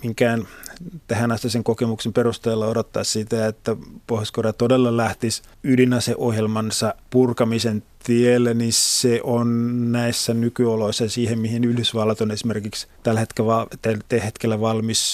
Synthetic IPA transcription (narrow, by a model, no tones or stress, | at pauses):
miŋkæːnt̪æhænɑst̪ɑseŋkokemuksemperust̪eːlːɑodot̪ːɑːssit̪æet̪ːæpohoskorɑt̪odelːɑlæht̪is | ylinɑseʔohjelmɑnsɑpurkɑmisent̪ielːæniseʔonnæisːænykyoloisːɑsiːhemmihinyhdysʋɑlːɑt̪onesimerkikst̪ælhet̪keʋɑt̪æt̪ehet̪kelːæʋɑlmis